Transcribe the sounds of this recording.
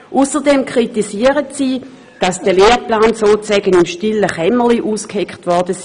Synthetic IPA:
ʔusəʁdɛmkʰʁ̥itisiəʁətsiː | d̥ɑsd̥əleːplaːnsoːt͡sɛɡənimʃtiləχɛməliʔuːskhekχtʋɔɐdəs

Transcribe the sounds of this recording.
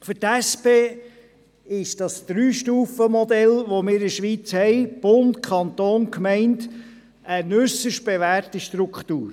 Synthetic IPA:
fʏtæspeː | ɪʃd̥ɑsd̪̥ɾyːʃtuːfəmɔd̪ɛlʋomɪːɾɪʃʋiːt͡shɛɪb̥ʊntkʰɑnt̪oːnkmɛɪnt | ənʉsəʃt̚b̥eʋæːrtiʃtɾukχtuːɾ

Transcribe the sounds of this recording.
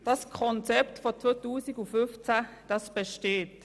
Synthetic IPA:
d̥ɑskʰɔnt͡sɛptfɔt͡sʋotuːsiɡʊfʏnft͡sɛd̥ɑsb̥ɛʃteːt

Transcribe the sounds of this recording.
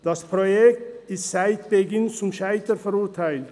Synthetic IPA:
d̪̥ɑspʰɾojɛkt̪ɪst̪sæɪt̪b̥ɛɡɪnsʊmʃæɪt̪əɾfɔɾʊɾt̪ʰæɪlt̪

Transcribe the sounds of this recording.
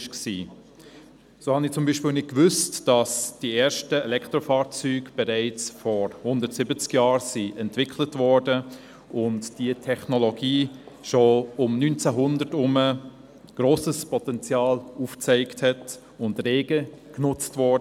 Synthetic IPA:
ʃksiː | soːhɑnɪt͡sʊmbiːʃpɪːlˠnɪt̚kvʏstd̥ɑsd̥ieːɾʃtəɛlɛkʰtɾofɑːɾt͡syːɡb̥ɛɾaɪt͡sfɔɾhʊndətsɪbət͡skjɑːɾsiʔɛntv̥ɪkʰlətvɔɹdə | ʊntd̥iətʰɛχnoloɡiːʃoʊmnynt͡sæɦʊndətʊmə | ɡ̥ɾoːsəspʰɔtɛnt͡sjɑːluːft͡sɛɪkthɛt | ʊndreːɡəknʊt͡stvɔdə

